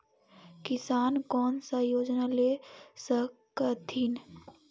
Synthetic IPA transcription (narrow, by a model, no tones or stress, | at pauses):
kɪsaːnkɔːnsajoːd͡ʒnaleːsəkkət̪ʰin